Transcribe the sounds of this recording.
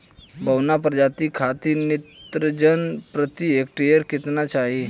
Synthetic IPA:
bəwnap̬ɾəd͡ʒat̪ikʰat̪init̪ɾəd͡ʒənpɾət̪iek̚ʈejəɾkit̪nat͡ʃaɦi

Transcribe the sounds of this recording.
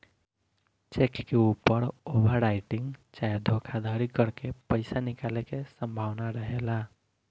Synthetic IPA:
t͡ʃekkeupːəɾobʱəɾɾajʈiŋɡt͡ʃajd̪ʱokʰad̪ʱəɾikəɾkepəɪsanikalekesəmbʱaʋnaɾəɦela

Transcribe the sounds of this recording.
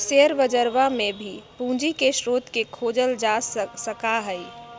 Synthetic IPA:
seəɾʋəd͡ʒəɾʋamẽbʱipũːd͡ʒikeʃɾoːd̪ʱkekʰoːd͡ʒəld͡ʒassəkaɦəi

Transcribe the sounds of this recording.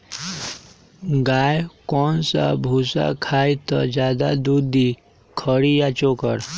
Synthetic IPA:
ɡaːjkɔːnsa̰bʱuːsa̰kʰaːjt̪ɔd͡ʒjaːd̪ad̪uːi | kʰəɽijat͡ʃokəɾ

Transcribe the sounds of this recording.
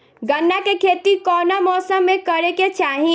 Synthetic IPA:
ɡənːakekʰeːt̪ikɔːnamɔːsəmːẽkəɾeket͡ʃaːɦĩ

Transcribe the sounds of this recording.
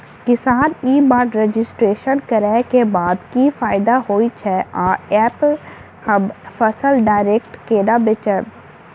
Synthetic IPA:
kɪsaːniːbaːɖɾed͡ʒɪsʈɾeːʃənkɐɾɛkebaːd̪kifaːɪd̪aɦoːit͡ʃʰɛʔaːɛːpl | hɐbfəsəlɖaːɪɾeːk̚ʈkeːɖabɪt͡ʃəb

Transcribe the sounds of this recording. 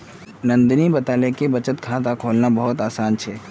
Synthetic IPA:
nɐ̃nd̪nibɐt̪aːlekebɐt͡ʃət̪kʰaːt̪akʰoːlnabɐɦʊt̪aːsaːnt͡ʃʰɛː

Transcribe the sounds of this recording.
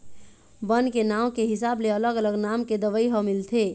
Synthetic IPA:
bənkenaʊkeɦɪsaːbleələɡələɡnamked̪əʋəiɦəmilt̪ʰe

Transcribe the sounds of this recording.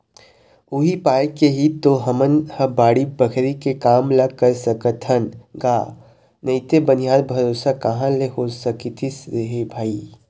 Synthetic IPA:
ʊɦipaːjkeɦit̪ːoɦɐmənhəbaːɽibəkʰɾikekaːmlaɡ̚kəɾsəkət̪ʰənɡaː | nɐit̪ebənijaːd̪bʱɐɾoːsakɐɦãlehosɐkit̪ʰisɾeɦebʱaːi

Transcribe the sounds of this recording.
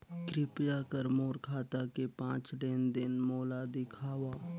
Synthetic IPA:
kɾɪpjakəɾmoːɾkʰaːt̪akepãːt͡ʃleːnd̪ɪnmoːlad̪ɪkʰaːwaː

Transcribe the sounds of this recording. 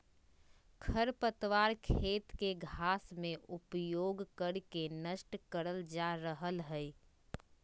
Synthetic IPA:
kʰəɾpət̪waːɾkʰeːt̪keɡʱaːsmẽʔʊpjoːɡkəɽkenəʃʈkəɾəld͡ʒaɾəɦəlɦɛ

